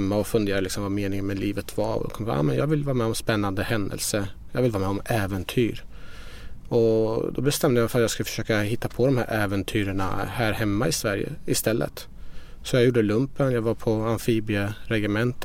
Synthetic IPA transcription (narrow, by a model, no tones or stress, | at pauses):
mːaɔfɵnd̪eːɾalɪksɔmvameːnɪŋənmɛliːvət̪va̰ɾɔ̰d̪ɔ̰kʰɔmːa̰ːmɛnjɑ̰ːɡvɪlːvɑːɾmɛɔmspɛnːand̪əhɛnd̪ə̰lsə | jɑɡvɪlːvɑːɾmɛɔmɛːvənt̪ʰyːɾ | ɔd̪ɔbɛst̪ɛmːd̪əjmɛɪfœɾat̪jɑɡskɵlfœ̥ʂøːkahɪt̪ːapʰɔd̪ɔmhæ̰ɾʔɛːvɛnt̪ʰyːɾəɳa̰hæːɾhɛmːaɪsvæɾjə̰ɪst̪ɛlːə̰t̪ | sɔjɑɡjuːɖəlɵmpənjɑːɡvaɾpʰɔanfiːbɪəɾɛɡɪmɛnt̪